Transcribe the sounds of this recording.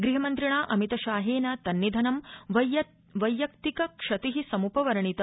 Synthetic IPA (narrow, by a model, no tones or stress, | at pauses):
ɡɾiɦɐmɐnt̪ɾiɳaːʔɐmit̪ɐʃaːɦeːnɐt̪ɐnːid̪ʱɐnɐmʋɐj | ʋɐjːɐkt̪ikɐkʂɐt̪iɦisɐmupɐʋɐɾɐɳit̪ɐ